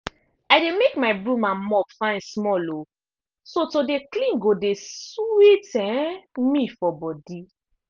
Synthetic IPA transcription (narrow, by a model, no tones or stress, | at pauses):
ajdemekmaɪbɹũmãnmɔpfãsmɔlo | sotodeklĩnɡodeswetɛ̃mĩfɔbɔdi